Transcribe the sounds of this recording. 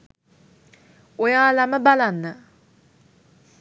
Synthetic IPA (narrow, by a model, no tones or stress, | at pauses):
ojaːlaməbalanːə